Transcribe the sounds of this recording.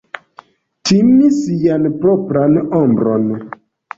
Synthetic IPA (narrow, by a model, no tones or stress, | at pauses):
timisijanpɾopɾanombɾo̰n